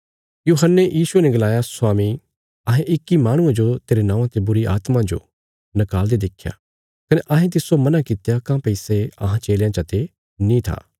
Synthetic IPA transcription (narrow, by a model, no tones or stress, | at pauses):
juːɦənːejʔiːsuenɛ̃ɡɐlaːjasʊwaːmi | ɐɦẽʔɪkːimaːɽ̃ʊ̃ẽd͡ʒot̪eːɾenãːãt̪ebʊɾiʔa̰ːt̪mãd͡ʒo̰ | nɐkaːld̪ed̪ɪkʰja̰ | kɐneʔɐɦẽt̪̬ɪsomɐnakɪt̪jakãːpɐɪseɐ̰ɦãt͡ʃeːljãt͡ʃɐt̪e | nĩt̪ʰa̰ː